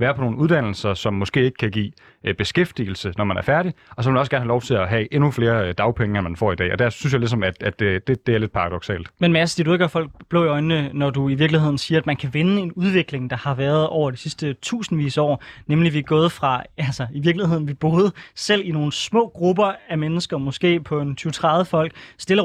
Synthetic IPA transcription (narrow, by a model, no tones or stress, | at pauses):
ʋæːɐpʰɒ̽no̝ːn̩uð̞ˠd̥æn̰l̩sɐsɒ̽mːɒ̽sɡ̥e̝̰ːe̝ɡ̥ə̥kʰæɡ̥ḭː | b̥e̝sɡ̥efd̥iːl̩sənɒmænæɐfæɐɾiɒ̽sɒ̽elmænɒsɡ̥æɐn̩ɦælɒʊt͡sʰe̝læɦɛʔe̝nufle̝ːɐd̥ɑ̈ʊpʰeŋəenmænfɒ̰ːid̥ɛ̰ːɒ̽d̥æɐ̰synsjaɪlis̬ɒ̽mæd̥æd̥ed̥e̝d̥e̝æɐle̝d̥̚pʰɑ̈ʁɑ̈d̥ɒ̽ɡ̥sɛ̰ːld̥menmæsə̥sd̥iɐdueɡ̥æɐfɒ̽l̰ɡ̥̚b̥lo̝ʊiɒɪnənɒduiʋiɐɡ̥lihe̝ð̞̰ˠn̩siːɐæd̥mænkʰæʋe̝nəe̝nuð̞ˠʋe̝ɡ̥le̝ŋd̥ɑ̈hɑ̈ʋæɐð̞ˠɒ̰ʊ̰ɐd̥i̥sisd̥ət͡sʰṵːsn̩ʋḭːsɒ̰ːnemliʋiɡ̥ɔ̰ːð̞ˠfʁɑ̈ælsɐiʋiɐɡ̥lihe̝ð̰n̩ʋib̥oːð̞ˠsel̰ino̝ːn̩smɔ̰̽ːɡ̥ʁubɐæmenəsɡ̥ɐmɔ̽sɡ̥e̝̰ːpʰɒ̽e̝nt͡sʰyːt͡sʰʁɑ̈ðˠəfɒ̽l̰ɡ̥sd̥e̝lɐ